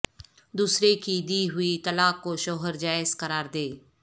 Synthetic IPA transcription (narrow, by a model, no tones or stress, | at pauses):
d̪uːsɾekid̪iɦʊit̪ɐlaːkːoʃɔːɦəɾd͡ʒaːɪzqɐɾaːɾd̪eː